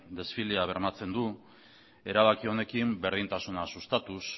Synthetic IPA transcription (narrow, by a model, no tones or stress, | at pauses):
d̪e̞sfileaβ̞e̞ɾmat͡se̞nd̪u | e̞ɾaβakio̞ne̞kimbe̞ɾð̞int̪asunasust̪at̪us